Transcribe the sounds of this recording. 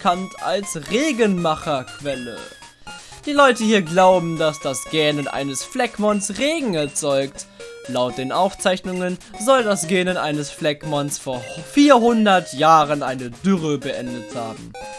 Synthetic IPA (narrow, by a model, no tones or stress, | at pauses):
kʰanta̰lsʁeːɡənmaχɐkv̥ɛlə̰ | d̥iːlɔʏtəhiːɐɡlaʊbm̩dasd̥asɡ̥ɛːnənʔa̰ɪnəsflɛkmɔnsʁeːɡŋ̩ɛɐt͡sɔʏktlaʊt̚d̥eːnʔaʊft͡saɪçnʊŋənzɔldasɡ̥ɛːnənʔa̰ɪnəsflɛkmansfoːɐfiːɐhʊndɐtʰjaːʁənʔaɪnədʏʁəbəʔɛndəthaːbm̩